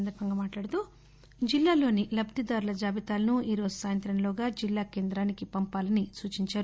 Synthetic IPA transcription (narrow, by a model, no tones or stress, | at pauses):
nd̪ɐɾbʱɐŋɡaːmaːʈlaːɽɐt̪uː | d͡ʒilːaːlo̞ːnilɐbd̪id̪aːɾulɐd͡ʒaːbit̪aːlɐnuiːɾo̞ːzusaːjɐnt̪ɾɐnloːɡaːd͡ʒilːaːke̞ːnd̪ɾaːnikipɐmpaːlɐnisuːt͡ʃiɲt͡ʃaːɾu